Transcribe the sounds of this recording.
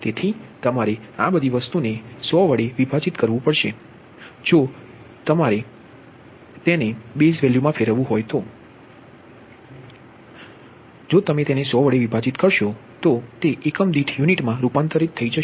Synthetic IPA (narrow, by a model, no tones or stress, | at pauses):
t̪et̪ʰit̪əmaɾeabəd̪ʱiʋəst̪unesɔʋəɽeʋibʱat͡ʃit̪kəɾʋũpəɽʃe | d͡ʒo | t̪əmaɾe | t̪enebesʋɛljumãfeɾəʋũɦojt̪o | d͡ʒot̪əmet̪enesɔʋəɽeʋibʱad͡ʒit̪kəɾʃot̪ot̪eʔekəmd̪iʈʰjuniʈmãɾupant̪əɾit̪ʰːəid͡ʒə